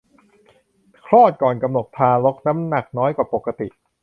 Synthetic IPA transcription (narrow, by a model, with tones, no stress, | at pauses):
kʰɾɔː˥˩t̪̚kɔː˨˩nka˧mno˨˩t̪ʰːaː˧lo˦˥k̚sa˦˥mna˨˩k̚nɔː˦˥jkwaː˨˩po˨˩kːa˧t̪ḭ˨˩ʔ